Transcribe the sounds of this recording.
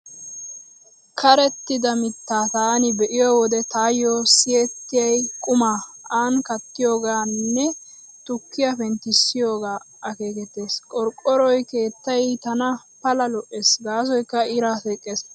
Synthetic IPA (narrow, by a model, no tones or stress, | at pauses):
kʰɐɾɛt̪ːɪd̪ɐmɪt̪ːaːt̪aːnɪbɛʔɪjɔwɔd̪ɛt̪aːjoːsɪjɛt̪ːɪjɐjkʼʊmaaːnkɐt̪ːɪjo̞ːɡaːnːɛ | t̪ʊkːɪjafɛnt̪ɪsːɪjo̞ːɡaː | ɐke̞ːkɛt̪ːe̞ːskʼɔɾkʼːɔɾɔjke̞ːt̪ːɐjt̪ɐnɐ | pɐlɐlɔʔeːsɡaːs̬ɔjkːɐɪɾaːsekʼːeːs